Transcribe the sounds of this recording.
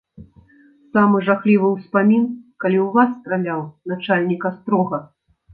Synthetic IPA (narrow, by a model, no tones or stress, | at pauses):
samɨʐaxlʲivɨwspamʲinkalʲiwvasːt̪ɾalʲawnat͡ʂalʲnʲikast̪ɾɔɣɐ